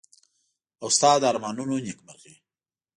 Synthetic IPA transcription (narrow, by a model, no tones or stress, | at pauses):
awst̪ɑːd̪aːɾmɑnunonikmaɣi